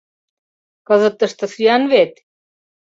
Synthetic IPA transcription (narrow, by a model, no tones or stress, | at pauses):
kɤ̆zə̆t̪ːə̆ʃt̪ɤ̆syjɑnβet̪